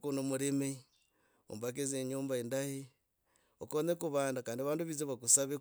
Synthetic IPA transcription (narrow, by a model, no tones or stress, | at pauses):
kunomuɾeme | o̰mbak̬ezeɲoːmbaendahe | o̰konekuβaːndakaːndiaβaːnduβizeβakusaβe